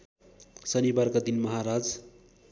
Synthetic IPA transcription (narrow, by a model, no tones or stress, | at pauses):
sʌnibarkad̪inmʌɦaɾad͡z